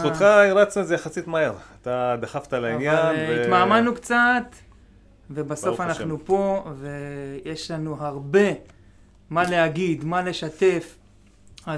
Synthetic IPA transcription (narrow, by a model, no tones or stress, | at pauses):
oχaiɾat͡snuezejaχasit̪maeʁat̪ad̪aχaft̪alainjaalnimaːmanukt͡sat̪ | ve̞baso̞fannaχnupo̞ve̞jeʃlanuɦaʁbe̞ | male̞aɡid̪male̞ʃat̪e̞f | a